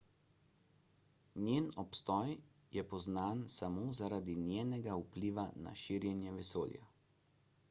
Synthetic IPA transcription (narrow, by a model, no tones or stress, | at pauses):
nʲjeːnɔpst̪ɔj | jɛpɔznaːnsamoːzaɾad̪injeːnɛɡaupliːʋana̰ʃiɾjɛnjɛʋɛsoːlja̰